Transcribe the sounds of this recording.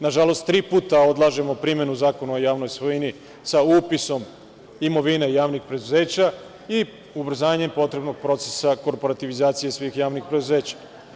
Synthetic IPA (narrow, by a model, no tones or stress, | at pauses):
naʒalo̞st̪ːɾiːpuːt̪ao̞d̪lˠaʒe̞mo̞pɾimje̞nuzaːko̞naojaːʋno̞jsʋoini | sauːpiso̞m | imo̞ʋinejaːʋnixpɾe̞d̪uze̞ːt͡ɕa | i | ubɾ̩zaːaɲe̞mpo̞t̪ɾe̞bno̞ɡ̚pɾo̞t̪sesako̞ɾpo̞ɾat̪iʋizaːt̪sije̞sʋixjaːʋnixpɾed̪uze̞ːt͡ɕḁ